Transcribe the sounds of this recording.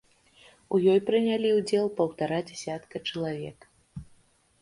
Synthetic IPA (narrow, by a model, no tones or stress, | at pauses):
ujɔjpɾɨnʲalʲiwd͡zʲɛlˠpɐwt̪aɾad͡zʲɛsʲat̪kɐt͡ʂɐlˠavʲɛk